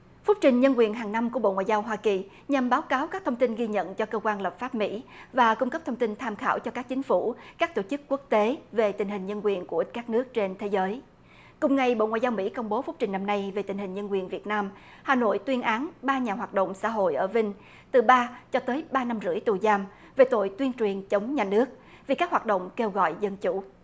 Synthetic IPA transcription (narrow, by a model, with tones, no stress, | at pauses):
fu˦˥p̚t͡ɕï˨˩ŋ̟ɲə˧nk̬wi˨˩ənɦaː˨˩ŋna˧mku˧˩əɓo̰˧˨ŋwa̰ː˧˨zaː˧wɦwaː˧ki˨˩ | ɲa˨˩mɓaː˨˦wkaː˨˦wka˦˥k̚t̪ʰwŋ͡mt̪i˧nɣi˧ɲə̰˧˨nt͡ɕɔ˧kəː˧kwaː˧nləː˨˩p̚faː˦˥p̚mḭ˧˥vaː˨˩kʊ˧ŋ͡mkə˦˥p̚t̪ʰə˧ŋ͡mt̪i˧nt̪ʰaː˧mxa̰ː˧˩wt͡ɕɔ˧kaː˦˥k̚t͡ɕï˨˦ŋ̟fu˧˩kaː˦˥k̚t̪o˧˩t͡ɕɨ˦˥kːu˦˥ək̚t̪e˨˦ve˨˩t̪ï̟˨˩hï˨˩ŋ̟ɲə˧nkwi˨˩ənku˧˩əkaː˦˥k̚nɨ˦˥ək̚t͡ɕe˧nt̪ʰe˨˦zəː˨˦j | kʊ˨˩ŋ͡mŋa˨˩jɓo̰˧˨ŋwaː˨˩zaː˧wmḭ˧˥kə˧wŋ͡mɓo˨˦fu˦˥k͡p̚t͡ɕï˨˩ŋ̟na˧mna˧jve˨˩t̪ï˨˩ŋ̟hï˨˩ŋ̟ɲə˧nkwi˨˩ənvi˨˩ət̚naː˧mhaː˨˩no̰˧˨jt̪wi˧ənʔaː˨˦nɓaː˧ɲaː˨˩ɦwaː˨˩t̚ɗo̰˧˨wŋ͡msa̰ː˧˥ɦo̰˧˨jʔəː˧˩vï˧ŋ̟ | t̪ɨ˨˩ɓaː˧t͡ɕɔ˧t̪əː˨˦jɓaː˧na˧mzɨ̰˧˥əjt̪u˨˩zaː˧m | ve˨˩t̪o̰˧˨jt̪wi˧ənt͡ɕwi˨˩ənt͡ɕə˨˦wŋ͡mɲaː˨˩nɨ˦˥ək̚ | vi˨˩kaː˦˥k̚haː˨˩t̚ɗə̰˧˨wŋ͡mke˧wɣɔ̰˧˨jzə˧nt͡ɕṵ˧˩˨